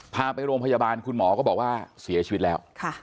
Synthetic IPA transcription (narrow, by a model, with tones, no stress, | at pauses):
pʰaː˧pa˧jɾoː˧mpʰa˧jaː˧baː˧nkʰu˧nmɔː˩˦kɔː˥˩bɔː˨˩k̚waː˥˩si˩˦ɐt͡ɕʰi˧˦t̪̚lɛː˦˥wkʰa˥˩